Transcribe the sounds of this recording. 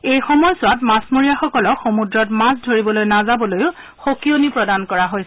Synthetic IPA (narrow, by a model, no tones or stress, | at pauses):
ejxɔmɔjsʊwatmasmoɹijaxɔkɔlɔxomudɹɔtmasdʱoɹibɔlojnazabɔlojʊ | xokijonipɹɔdankɔɹaɦojsɛ